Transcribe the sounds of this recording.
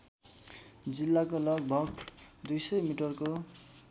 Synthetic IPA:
d͡zilːakolʌɡ̚bʱʌɡd̪ujsʌjmiʈʌrko

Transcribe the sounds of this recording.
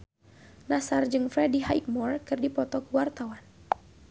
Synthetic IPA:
nasard͡ʒɨŋfɾɛdiɦajt̪̚mɔrkɨrdipɔt̪ɔkwart̪awan

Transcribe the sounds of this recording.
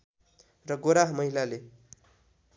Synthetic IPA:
rʌɡoɾaɦmʌɦilale

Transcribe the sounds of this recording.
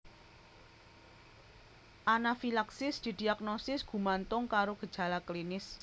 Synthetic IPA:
ʔanafilaksɪsd̪̥i̤d̪̥i̤ak̚nosɪsɡ̥ṳmant̪ʊŋkaɾoɡ̥ə̤d̥ʒ̥a̤laklinɪs

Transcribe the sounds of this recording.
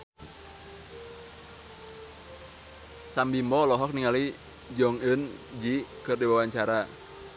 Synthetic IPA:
sambimɔlɔɦɔk̚niŋali | d͡ʒɔŋən | d͡ʒikɨrdiwawaɲt͡ʃaɾa

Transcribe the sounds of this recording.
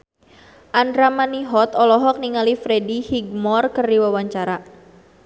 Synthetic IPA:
ʔandɾamaniɦɔt̪ɔlɔɦɔk̚niŋalifɾedihiɡ̚mɔrkərdiwawaɲt͡ʃaɾa

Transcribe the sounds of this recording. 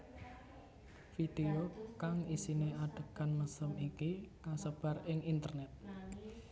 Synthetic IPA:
fid̪̥eokaŋisineaɖ̥əkanməsəmikikasəb̥a̤rɪŋint̪ərnɛt̪̚

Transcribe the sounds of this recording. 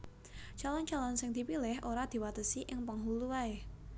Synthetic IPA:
t͡ʃalɔnd͡ʒalɔnsɪŋd̪̥i̤pilɪhʔoɾad̪̥i̤wat̪əsiʔɪŋpəŋɦuluwae

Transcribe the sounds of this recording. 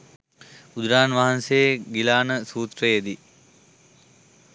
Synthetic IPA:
ud̪ɾaːnʋaɦansejɡilaːnəsuːt̪ɾəjed̪i

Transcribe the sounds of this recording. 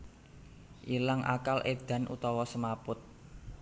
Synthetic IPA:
ʔilaŋʔa̰kalʔed̪̥ä̤nʔṵt̪ɔwɔsəmapʊt̪̚

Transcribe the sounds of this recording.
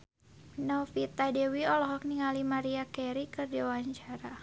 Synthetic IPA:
nɔfit̪adɛwiɔlɔɦɔk̚niŋalimaɾiakɛɾikɨrdiwaɲt͡ʃaɾa

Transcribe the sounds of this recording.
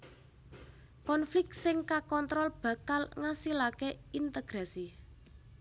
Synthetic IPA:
kɔnflɪk̚tsɪŋkakɔnt̪ɾɔlb̥ä̤kalŋasilakeint̪əɡ̥ɾasi

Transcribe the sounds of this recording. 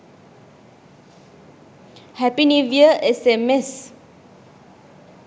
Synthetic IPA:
hɛpiniviəʔɛsɛmɛs

